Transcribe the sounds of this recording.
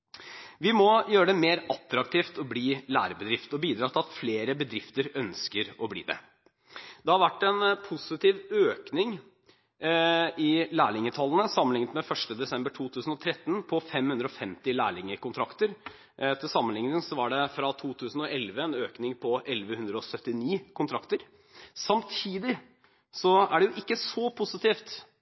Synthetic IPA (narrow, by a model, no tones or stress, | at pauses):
ʋɪmɔjøːɾəɖ̪ɛmeːɾɑt̪ɾɑk̚t̪ʰiːft̪ɔbliːlæ̰ːɾəbəd̪ɾɪft̪ɔbiːd̪ɾɑːt̪ʰɪlɑt̪fleːɾəbəd̪ɾɪft̪əɾœnskəɾɔblḭːd̪ɛ̰ | d̪ɛhɑɾʋæʈːɛnpʰʊsɪt̪iːʋøːknɪŋ | ɪlæːɭɪŋət̪ʰɑlːənəsɑmːənlɪŋt̪mɛfœʂʈəd̪ɛsɛmbəʈʰuːt̪ʰʉːsn̩ɔt̪ʰɾɛt̪ːnpʰɔfɛmhʉnd̪ɾəɔfɛmt̪ɪlæːɭɪŋəkʊnt̪ʰɾɑkt̪əɾ | t̪ʰɪlsɑmːənlɪŋnɪŋsɔʋɑɖɛfɾɑt̪ʰuːt̪ʰʉːsn̩ɔʔɛlʋəɛnøːknɪŋpʰɔʔɛlʋəhʉnd̪ɾəɔsœt̪ːɪniːkʰʊnt̪ʰɾɑkt̪əɾ | sɑmt̪ʰiːd̪ɪ | sɔæɖɛjʊʔɪkːəsɔpʰʊsɪt̪iːft̪